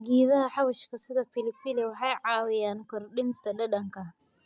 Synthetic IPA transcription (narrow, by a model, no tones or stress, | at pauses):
ɡiːðɐɦɐħɑwɐʃkʰɐsɪðɐfɪlɪfɪlɪwɑħɑjʕɑːwɪjaːnkʰɔrɗɪnt̪ʰɐɖɐɖɐŋkʰɐ